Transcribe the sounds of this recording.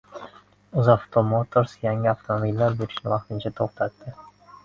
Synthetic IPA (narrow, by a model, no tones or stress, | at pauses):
ʊzaft̪ʰomot̪ʰoɾsjaŋɪaft̪ʰomobilːaɾbeɾɪʃnɪvɑq̚t̪ɪnt͡ʃʰat̪ʰoχt̪ʰat̪ːɪ